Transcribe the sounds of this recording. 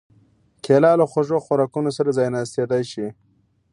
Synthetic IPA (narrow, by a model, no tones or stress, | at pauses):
kʰelɑlaxoʒoxwaɾɑkunosaɾazɑjnast̪ed̪ajʃi